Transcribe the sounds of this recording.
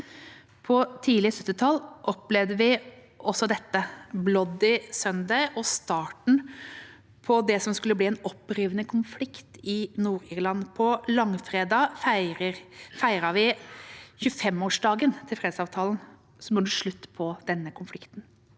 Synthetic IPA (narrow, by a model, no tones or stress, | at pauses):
pʰɔt̪ʰiːlɪəsœt̪ːɪt̪ʰɑlːʔɔplɛʋd̪əʋɪ | ʔɔsɔd̪ɛt̪ːəblɔd̪ɪsœnd̪ɑʔɔst̪ɑːʈɳ̩ | pʰɔd̪ɛsɔmskʉlːəbliːɛːnɔpːɾiːʋənəkʰʊnflɪkt̪ɪnuːɾiːɾlɑnːpʰɔlɑŋfɾeːd̪ɑːəfæɪɾəʋɪ | çʉːfɛmoːʂd̪ɑːɡənt̪ʰɪlfɾeːd̪sɑːʋt̪ʰɑːln | sɔmɔnd̪əʂɭʉt̪ːpʰɔd̪̥ɛnːəkʰʊnflɪkt̪n